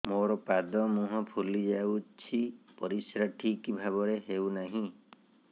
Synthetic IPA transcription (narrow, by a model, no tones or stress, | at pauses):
moɾɔpad̪ɔmũɦɔ̃pʰulid͡ʒawt͡ʃʰipɔɾisɾaʈʰikibʱaβɔɾeɦewnaɦĩ